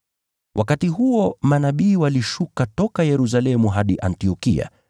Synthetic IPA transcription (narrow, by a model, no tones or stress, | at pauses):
wʔakatiɦuɔmanaɓiːwaliʃukatɔkajɛɾus̬alɛmuɦaɗiʔantiɔkḭa̰